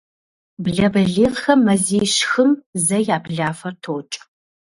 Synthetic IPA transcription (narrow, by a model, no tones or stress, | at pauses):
bɮɐbɐɮeːʁxɐmːɐziːjʃxɨmzɐjaːbɮaːfɐrtʰoːt͡ʃʼ